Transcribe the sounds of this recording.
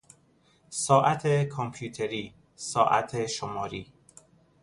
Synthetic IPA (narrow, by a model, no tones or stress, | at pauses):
sɒːʔæt̪ʰekʰompʰjuːt̪ʰeɾiː | sɒːʔæ̰t̪ʰeʃomɒːɾiː